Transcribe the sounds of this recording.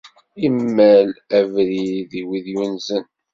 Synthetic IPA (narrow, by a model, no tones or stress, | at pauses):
imːælævɾiðiwiðjunzən